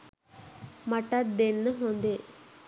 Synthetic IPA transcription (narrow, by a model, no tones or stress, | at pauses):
mɐʈɐd̪enːɨɦond̪e